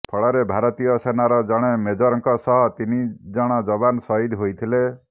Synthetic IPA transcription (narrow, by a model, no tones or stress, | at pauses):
pʰɔɭɔɾebʱaɾɔt̪ijɔsenaɾɔd͡ʒɔɽ̃emed͡ʒɔɾɔŋkɔsɔɦɔt̪inid͡ʒɔɽ̃ɔd͡ʒɔbanɔsɔid̪ʱɦojt̪ʰile